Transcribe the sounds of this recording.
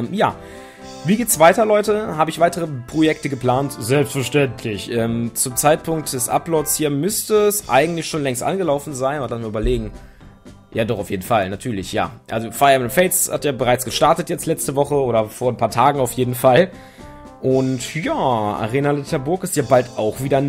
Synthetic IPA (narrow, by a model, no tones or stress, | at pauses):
mja̰ː | viːɡeːtsv̥aɪtɐlɔʏtəɦaːbəɪçv̥aɪtəʁ̞əpʁ̥ojɛk̚təɡəpl̥aːntz̥ɛlpstfɛɐʃtɛntʰlɪçʔɛːmt͡sʊmt͡saɪt̚pʰʊŋk̚td̥ɛsʔa̰plɔtshiːɐmʏstəsʔa̰ɪɡŋ̩tlɪçʃoːnlɛŋstʔa̰nɡəlaʊfn̩zaɪnnlasmiɐyːbɐleːɡŋ̩ | jaːdɔχaʊfjeːdn̩falnatʰyːɐlɪçja̰ːʔa̰lzofaɪɐmnfɛɪsha̰tjaːbəʁaɪt͡sɡ̥əʃtaɐtətjɛt͡stlɛt͡stəvɔχəoːɾɐfoːɐnpʰaːɐtʰaːɡŋ̩aʊfjeːdn̩fal | ʔʊntjaːa̰ʁeːnalɪtʰɛbʊɐkɪstjaːbaltʔaʊxv̥iːdɐ